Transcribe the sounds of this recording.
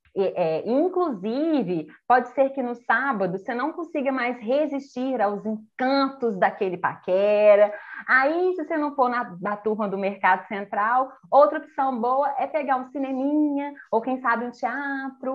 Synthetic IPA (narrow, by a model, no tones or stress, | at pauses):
ɛʔɛĩkluzivɪpɔd͡ʒɪseɾkɪnʊsabɐd̪ʊsenɐ̃w̃kõsiɡɐmajsɦeziʃt͡ʃiɾawzĩkɐ̃t̪ʊzd̪ɐkelɪpa̰kɛɾɐaisɪsenɐ̃w̃ponɐnɐt̪uɾmɐd̪ʊmeɾkad̪ʊsẽnt̪ɾawowt̪ɾɐpi̥sɐ̃w̃bowɐʔɛpeɡaɾũsinẽmĩɲɐowkẽj̃sabɪ̃ʊ̃t͡ʃiat̪ɾʊ